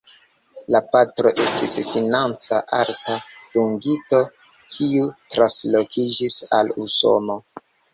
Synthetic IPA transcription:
lapatɾo̞ʔe̞stisfinant͡saʔaɾtad̥uŋɡito̞ | kʰiutɾaslo̞kʰid͡ʒisa̰luso̞̰no̞

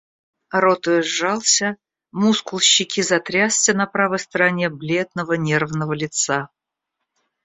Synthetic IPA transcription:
ɾot̪ʊjɪʐːɑlˠsʲə | muskʊlˠɕːɪkʲizɐt̪ɾʲasːʲənɐpɾavəjst̪əɾanʲeblʲe̞d̪̚nəvənʲervnəvəlʲɪt̪sa

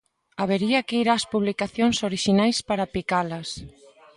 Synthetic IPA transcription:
aβ̞eɾiɐkeiɾaːspuβlikaθjoŋsoɾiʃinajspaɾapikalɐs

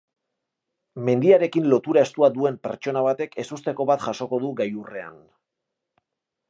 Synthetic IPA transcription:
me̞nd̪iaɾe̞kinlo̞t̪uɾae̞st̪uad̪ue̞mpe̞̰ɾt͡ʃo̞naβat̪e̞ke̞sust̪e̞ko̞βat̪ʝaʃo̞ko̞ð̞uɡajure̞a̰n

